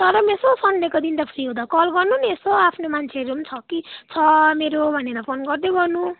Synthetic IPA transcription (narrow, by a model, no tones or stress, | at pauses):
t̪ʌɾʌmesosʌnnekod̪int̪ʌpʰɾiɦũd̪akʌlɡʌrnuniesoapʰnomant͡sʰeʌɾunt͡sʰʌkit͡sʰʌmeɾobʱʌneɾapʰonɡʌrd̪eɡʌrnu